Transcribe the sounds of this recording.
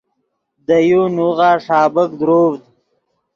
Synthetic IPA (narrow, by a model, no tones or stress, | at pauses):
d̪əjunuɣaːʂaːbək̚d̪ɾoːvd̪̚